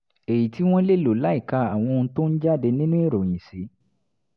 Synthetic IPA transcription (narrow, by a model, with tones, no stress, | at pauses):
e˨ji˨ti˨˦w̃ɔ̃˦le˦˨lo˨˦la˨˦i˦˨ka˧a˨w̃ɔ̃˧ñ̩˧˦to˦n̩˦d͡ʒa˦˨de˧nĩ˦nũ˦e˦˨ɾo˨j̃ĩ˨si˨˦